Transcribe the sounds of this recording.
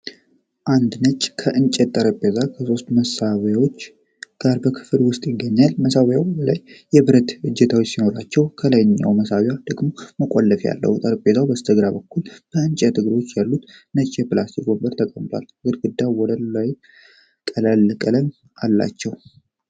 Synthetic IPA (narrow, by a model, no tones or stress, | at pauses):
ʔand̪nət͡ʃʼkʰəʔɨnt͡ʃʼɛt̪ʼːəɾəpʼːezakʰəso̞st̪məsawjawo̞t͡ʃː | ɡ̥aɾbəkʰɨ̥fɨlwʊst̪ʼjɪɡːəɲːalməsawjawbəlajːɛβɨɾət̪ɨd͡ʒːɛt̪ʰawot͡ʃːsino̞ɾat͡ʃːɛwkʰəlajnɨɲːa̰wməsawjad̪əɡmoməkʼolːəfja̰lːə̰hut̪ʼəɾəpʼːezawbəst̪ʰəɡɾabəkːulb̥əɨnt͡ʃʼɛt̪ʰɨɡɾo̞t͡ʃːjalːut̪nət͡ʃʼːeplasiɡo̞bːəɾt̪ʰəkʼəmt̪ʰʼwa̰l | ɡɨɾɡɨd̪ːawɔd̪əlaj | kʼəlalːəkʼələn | ʔalːa̰t͡ʃːɛw